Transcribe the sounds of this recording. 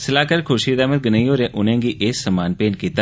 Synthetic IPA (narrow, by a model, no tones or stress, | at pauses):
səlaːkəɾkʰʊʃiːd̪aːmət̪̚ɡənəiɦoːɾẽːʔʊnẽːɡiːʔeːsəmaːnpeːnkiːt̪a